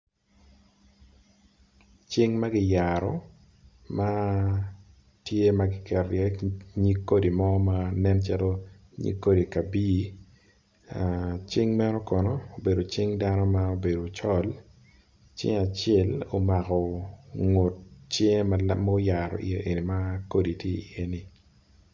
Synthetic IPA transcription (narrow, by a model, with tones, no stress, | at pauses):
t͡ʃi˦ŋma˦ɡɪ˦ja˨ɾɔ˨ | ma˦ | tje˦ma˨ɡɪ˦kɛ˨ɾjɛ˦ɲi˦kːo˦di˨mɔ˦ma˦nɛ˦nt͡ʃa˦to˦ | ɲḭ˦kːo˦di˨ka˨biː˦ | a˨t͡ʃi˦ŋmɛ˦ɾo˦kɔ˨nɔ˦o˨be˨do˨t͡ʃɪ˦ŋda˦nɔ˦ma˦o˨be˨do˨t͡ʃɔ˦l | t͡ʃɪ̰˦ŋa˨t͡ʃɛ˦lo˨ma˨kɔ˨ŋo˨t̚t͡ʃe˦mam˦o˦ja˨ɾɔ̰˨ʔḭ˨je˦ʔe˨ni˨ma˦ko˦di˨tje˦i˨ʔe˦ni˨